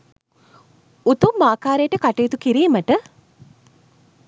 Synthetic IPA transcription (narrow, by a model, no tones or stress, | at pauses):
ut̪umːaːkaːɾejʈəkaʈejːt̪ukiɾiːməʈə